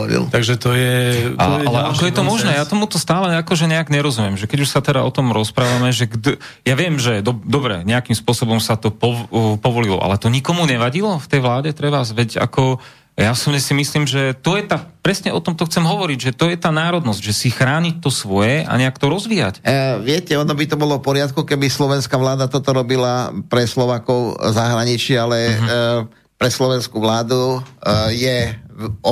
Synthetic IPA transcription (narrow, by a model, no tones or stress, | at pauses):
lt̪aɡʒɛt̪ɔjɛaʔalɛʔakɔjɛt̪ɔmɔʒnɛːjat̪ɔmut̪ɔst̪aːlɛakɔʒɛɲɛaɡɲɛɾɔzumjɛmʒɛkɛɟuʃsat̪ɛd̪a̰ʔɔt̪ɔmɾɔspɾaːʋamɛʒɛɡd̪ | jaʋɪɛmʒɛd̪ɔd̪ɔbɾɛ̰ɲɛakimspʊɔsɔbɔmsat̪ɔpɔpɔʋɔlilɔ̰ʔa̰lɛt̪ɔɲikɔmuɲɛʋaɟilɔft̪ɛjʋlaːɟɛt̪ɾɛʋazʋɛca̰kɔ | jaɔsubɲɛsimisliːmʒɛt̪ɔjɛt̪aːpɾɛsɲɛʔɔt̪ɔmt̪ɔxt͡sɛmɦɔʋɔɾiɟʒɛt̪ɔjɛt̪aːnaːɾɔd̪nɔzɟʒɛsixɾaːɲic̚t̪ɔsʋɔjɛʔa̰ɲɛakt̪ɔɾɔzʋija̰cʋɪɛcɛɔnɔbit̪ɔbɔlɔfpɔɾɪat̪̚kukɛbislɔʋɛnskaʋlaːd̪at̪ɔt̪ɔɾɔbilapɾɛslɔʋaːkɔʊzaɦɾaɲit͡ʃialɛ | pɾɛslɔʋɛnskuʋlaːd̪u | jɛ